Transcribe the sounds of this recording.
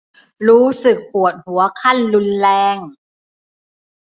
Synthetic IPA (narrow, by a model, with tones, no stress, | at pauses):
ɾuː˦˥sɯ˨˩k̚pu˨˩ət̪̚hu˩˦ɐkʰa˥˩nlu˧nlɛː˧ŋ